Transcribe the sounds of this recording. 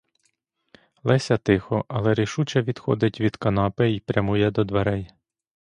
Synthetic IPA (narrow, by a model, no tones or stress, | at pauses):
lˠɛsʲɐt̪ɪxɔʔɐlˠɛɾiʃut͡ʃɛʋʲid̪xɔ̰d̪ɪtʲʋʲid̪̥kɐnɑpɪipɾʲjɐmujɛd̪ɔd̪ʋɐɾɛj